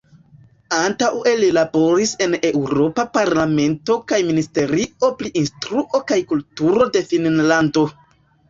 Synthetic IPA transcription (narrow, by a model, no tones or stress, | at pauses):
antawe̞lilabo̞ɾise̞ne̞wɾo̞papaɾlame̞nto̞kajministe̞ɾio̞pliʔinstɾuʔo̞kajkultuɾo̞de̞finnlando̞